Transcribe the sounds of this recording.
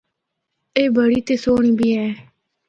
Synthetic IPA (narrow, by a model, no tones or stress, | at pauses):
eːbʱəɽiːt̪eːsoːɳ̃ĩːbʱiːɛ̃ː